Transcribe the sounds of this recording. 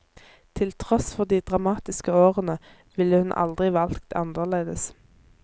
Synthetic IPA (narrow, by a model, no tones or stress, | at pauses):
t̪ʰɪlt̪ʰʁɔsfɔʁd̪iːd̪̥ʁɑmɑːt̪ɪskəoːʁənə | ʋɪlːəhʉnʔɑ̰ld̪ʁɪʋɑlkt̪ʰɑ̰nd̪əʁleːd̪əs